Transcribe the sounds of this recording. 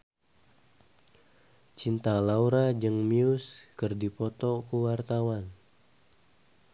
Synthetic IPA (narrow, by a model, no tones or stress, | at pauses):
t͡ʃint̪alauɾad͡ʒəŋmiuskɨrdipɔt̪ɔkəwart̪awan